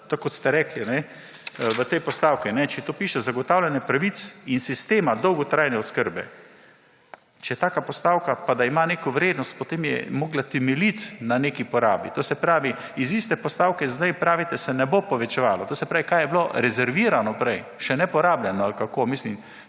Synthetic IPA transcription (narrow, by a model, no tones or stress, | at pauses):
t̪okːɔt̪st̪ɛɾɛklinɛ | ʋət̪ɛjpɔst̪aːwkinɛt͡ʃɛt̪oːpiːʃɛzaɡɔt̪aːwlʲanjɛpɾaʋisinsist̪eːmad̪ɔwɡɔt̪ɾajnɛɔskəɾbɛ̰ | t͡ʃɛjɛt̪aːkapɔst̪aːwkapad̪aimaneːkoʋɾeːd̪nɔst̪̚pɔt̪eːmjɛ̰moːɡlat̪ɛmɛlit̪nanekipɔɾa̰ːbḭt̪oːsɛpɾaːʋiizist̪ɛpɔst̪aːwkɛzd̪ajpɾaːʋit̪ɛsɛnɛbopɔʋɛt͡ʃɛʋaːlɔt̪oːsɛpɾaːʋikajɛbloɾɛzɛɾʋiːɾanɔpɾɛj | ʃɛnɛpɔɾaːbljɛnɔalkakomislim